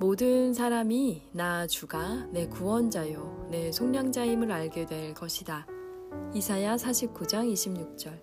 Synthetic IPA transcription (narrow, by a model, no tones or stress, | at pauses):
modɯnsʰaɾaminat͡ɕuɡane̞kuwʌnd͡ʑajone̞sʰoŋɲaŋd͡ʑaimɯɾaɭɡedwe̞ɭkʌɕʰida | isʰajasʰaɕʰip̚k͈ud͡ʑaŋiɕʰimɲuk̚t͡ɕ͈ʌɭ